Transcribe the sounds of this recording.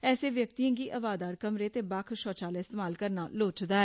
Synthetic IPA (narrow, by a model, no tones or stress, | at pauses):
ɛːseːʋjək̚t̪iːãːɡiːʔəbaːd̪aːɾkəmɾeːt̪eːbakʰʃɔːt͡ʃaːlaːɪst̪eːmaːlkəɾnaːloːt͡ʃd̪aːɛː